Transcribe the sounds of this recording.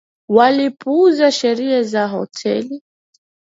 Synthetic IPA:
walipuzaʃɛɾiazaɦɔ̰tʰɛ̰li

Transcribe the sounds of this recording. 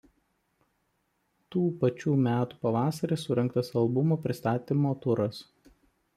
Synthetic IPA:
t̪uːpɐt͡ʃʲuːmʲæːt̪u̥ːpɐʋɑːsɐɾʲɪsʊɾʲɛŋkt̪ɐsɐlˠbʊmuːpʲɾʲɪst̪ɑːt̪ʲimoːt̪ʊɾɐs

